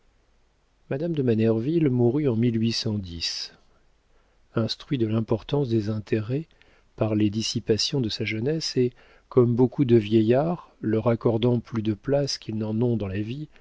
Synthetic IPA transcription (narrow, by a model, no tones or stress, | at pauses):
mad̪amd̪əmanɛʁvilmuʁyɑ̃milɥisɑ̃d̪is | ɛ̃st̪χɥid̪əlɛ̃pɔʁt̪ɑ̃sd̪ezɛ̃t̪ʰeʁɛ | paʁled̪isipasjɔ̃d̪əsaʒənɛse | kɔmbokud̪əvjɛjaʁlœʁakɔʁd̪ɑ̃plyd̪əplaskʲilnɑ̃nɔ̃d̪ɑ̃lavi